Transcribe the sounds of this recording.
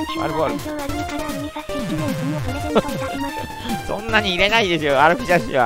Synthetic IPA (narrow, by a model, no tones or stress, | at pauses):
ma̰ɾɯboɾɯ | soe | sõ̰nːaɲ̟iːɾe̞naid̪e̞sɨjoaɾɯkiʑaɕiβa̰